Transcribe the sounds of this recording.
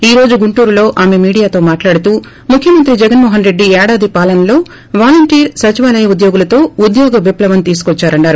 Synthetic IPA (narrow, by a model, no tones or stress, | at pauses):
iːɾo̞ːd͡ʒuɡuɳʈuːɾulo̞ːʔaːme̞miːɽijaːt̪o̞ːmaːʈlaːɽut̪uː | mukʰjɐmɐnt̪ɾid͡ʒɛɡɐnmɔːɦɐnɾe̞ɖːiɛːɽaːd̪ipaːlɐnɐlo̞ː | ʋaːlɐɳʈiːɾsɐt͡ʃiʋaːlɐjɐud̪joːɡulɐt̪o̞ːud̪jɔːɡɐʋiplɐʋɐnt̪iːs̬u̥kɔt͡ʃːaːɾɐɳːaːɾu